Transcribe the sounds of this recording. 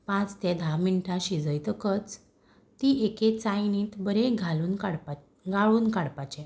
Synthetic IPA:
pãt͡st̪ɛ̃d̪ʱamiɳʈaɕid͡zəjt̪əkət͡s | t̪iʔeket͡sajnĩːt̪bəɾeɡʱalunɽ | ɡaɭuːnkaɽpat͡ɕɛ̃

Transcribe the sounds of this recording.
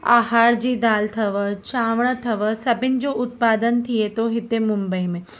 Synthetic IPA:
aːɦaːɾd͡ʑiːd̪aːlt̪ʰɐʋət͡ʃaːʋɽ̃t̪ʰɐʋəsɐbʱɪnd͡ʑoːʔʊt̪paːd̪ənt̪ʰiet̪oɦɪt̪emʊ̃mbəimẽ

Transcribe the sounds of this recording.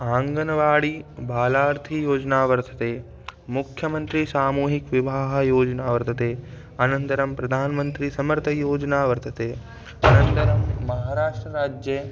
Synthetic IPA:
aːŋɡɐnɐʋaːɽibʱaːlaːɾt̪ʰijoːd͡ʒɐnaːʋɐɾt̪ʰɐt̪eː | mukʰjɐmɐnt̪ɾisaːmuːɦikʋibʱaːɦɐ̆joːd͡ʒɐnaːʋɐɾt̪ʰɐt̪eː | ɐnɐnt̪ɐɾɐmpɾɐd̪ʱaːnɐmɐnt̪ɾisɐmɐɾt̪ʰɐjoːd͡ʒɐnaːʋɐɾt̪ʰɐt̪eː | ɐnɐnt̪ɐɾɐmːɐɦaːɾaːʂʈɾɐɾaːd͡ʒjɐ

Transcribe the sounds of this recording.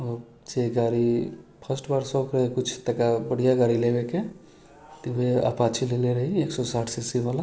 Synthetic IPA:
ɔɾ | d͡ʒeɡaɾipʰəsʈbaɾsɔbkɾəɦekut͡ʃʰt̪əkabəɽijaɡaɾilebeke | t̪iʋea̰pat͡ʃʰileleɾəɦieksɔsaʈʰsesibala

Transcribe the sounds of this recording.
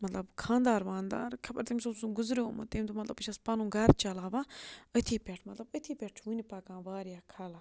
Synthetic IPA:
mɐt̪lɐbkʰãːnd̪aːɾʋãːnd̪a̰ːɾkʰɐpɐɾt̪emʲsusuɡʊzɾoːmɐ̰t̪eːmʲt̪umɐt̪lɐbət͡ʃʰɐspaːnũːɡɐɾt͡ʃɐlaːʋaət̪ʰiːpeʈʰmɐt̪lɐbət̪ʰiːpeʈʰt͡ʃʰunipaːkãːʋaːɾijaːkʰaːlaː

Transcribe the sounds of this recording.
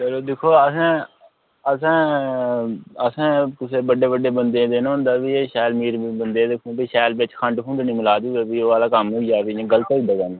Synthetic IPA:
t͡ʃəloːd̪ekʰoːəsãː | əsãː | əsãːkʊseːbəɖeːbəɖeːbənd̪ẽːd̪eːnɦʊ̃nd̪aːbiːeːʃɛːlmiːɾibənd̪eːd̪ekʰũːbiːʃɛːlbet͡ʃkʰəɳʈkʰũːɳɖnĩːmɪlaːd̪iːeːbiːaːlaːkəmɦoiaːbiẽːɡələt̪eːid̪aːɡaːna

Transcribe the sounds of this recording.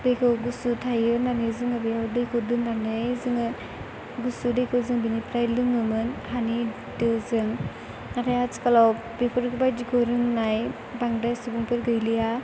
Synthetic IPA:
dɯjkʰɯwɡusutʰajɯnanɯzɯŋabijawdɯjkʰɯdɯndanɯjzɯŋɯ | ɡusudɯjkʰɯwzɯŋbinipʰɾajlɯŋɯmɯnhani | dɯzɯŋ | naɾajaz̥kalaw | bipʰɯɾkɯbajdikʰɔɾɯŋnaj | baŋdajsubɯŋpʰɯɾɡɯjlija

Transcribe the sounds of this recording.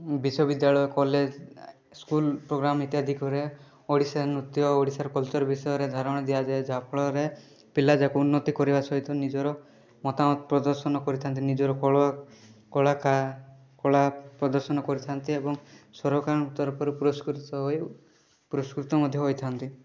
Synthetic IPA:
bisɔbid̪jaɭɔjɔkɔled͡ʒ | skulpɾoɡɾamit̪jad̪ʱikɔɾe | oɽisanɾut̪jɔːɽisaɾkɔlt͡ʃɔɾɔbisɔjɔɾed̪ʱaɾɔɽ̃ɔd̪ijad͡ʒaed͡ʒapɭɔɾe | pilad͡ʒakuunːɔt̪ikɔɾibasɔɦit̪ɔnid͡ʒɔɾɔ | mɔt̪amɔt̪pɾɔd̪ɔɾsɔnɔkɔɾit̪ʰant̪inid͡ʒɔɾɔkɔɭ | kɔɭaka | kɔɭapɾɔd̪ɔɾsɔnɔkɔɾit̪ʰant̪iebɔŋsɔɾɔkaɾɽ̃ut̪ːɔɾɔpɔɾpuɾɔskɾt̪ɔɦj | puɾɔskɾit̪ɔmɔd̪ʱjɔɦojt̪ʰant̪i

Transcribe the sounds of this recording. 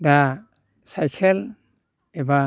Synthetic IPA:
da | sajkʰel | eba

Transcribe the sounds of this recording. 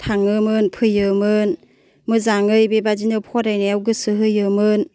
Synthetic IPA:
tʰaŋɯmɯnpʰɯjɯmɯn | mɯzaŋɯjbebad͡ʒinɯpʰɔɾajneawɡɯsɯɦɯjɯmɯn

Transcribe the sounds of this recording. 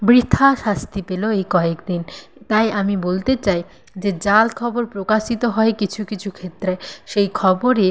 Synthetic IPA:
bɾit̪ʰːaʃast̪ipeloejkɔekd̪int̪ajamibolt̪et͡ɕaj | d͡ʑed͡ʑalkʰɔboɾpɾokaʃit̪oɦɔekit͡ɕʰukit͡ɕʰukʰet̪ːɾeʃejkʰɔboɾe

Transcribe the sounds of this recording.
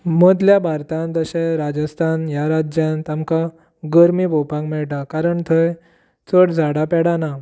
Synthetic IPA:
mod̪ljabʱaɾt̪ãnt̪əɕeɾad͡ʑəst̪ʰanjaɾad͡ʑjãnt̪amka | ɡəɾmibʱopãŋkmɛɭʈ̬akaɾəɳt̪ʰəj | t͡səɽd͡zʱaɽapɛɽana

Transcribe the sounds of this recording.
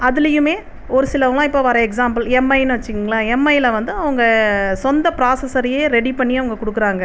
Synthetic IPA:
ɐðɪlɐjɯmeː | ɔɾɯsɪlɐʋɐlãːɪpːoːʋɐɾɐɛksaːmbɐlɛmːɐɪnːɯʋɐt͡ʃːɯkːɯŋɡɐlaːɛmːɐɪlɐʋɐnd̪ɯɐʋɐŋɡɐsɔnd̪ɐpɪɾaːsɐsɐɾjeːɾɛɽipɐɳːiɐʋɐŋɡɐkʊɽɯkːɯɾaːŋɡɐ

